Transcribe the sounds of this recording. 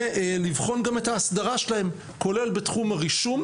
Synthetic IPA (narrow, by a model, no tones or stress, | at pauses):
livχo̞nɡame̞taːsdaʁaʃelahe̞m | ko̞le̞lbetχumaʁiʃum